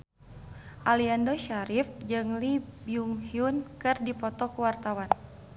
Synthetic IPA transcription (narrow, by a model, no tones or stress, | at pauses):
ʔaliandoʃaɾifd͡ʒɨŋlibiuŋhiunkɨrdipɔt̪ɔkuwart̪awan